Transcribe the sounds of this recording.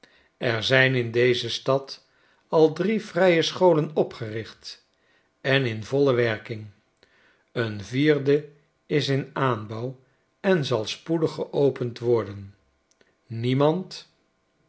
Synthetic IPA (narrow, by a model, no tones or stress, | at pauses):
ɛɹzɛjnɪndejzəstɑt | ɑlˠdrivrɛjəsχowlənɔpχərɪχt | ɛnɪnvɔləʋɛɹkɪŋ | ənviːrdə | ɪsɪnaːnbɔw | ɛnzɑlˠspudəχəʔowpəntʋɔɹdən | nimɑnt